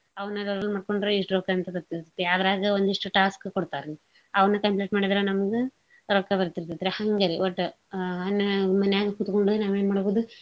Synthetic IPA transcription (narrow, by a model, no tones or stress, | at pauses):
ɐʋɐnɐlɐɾɐlːmaːɖkoɳɖɾoiʂʈɾoːkɐɐnt̪ɐbɐɾt̪ːiɾt̪ɐt̪ːeɐd̪ɾaːɡɐond̪iʂʈuʈaːskkoɽt̪aːɾi | ɐʋɐnɐkɐmpleʈmaːɽid̪ɐɾɐnɐmɐɡe | ɾoːkɐbɐɾt̪iɾt̪ɐd̪ɾehɐŋɡɐɾiʋɐʈː | ɐnːɐmɐnɛjaːɡɐkut̪koɳɖuenaːʋeːnmaːɽboːd̪u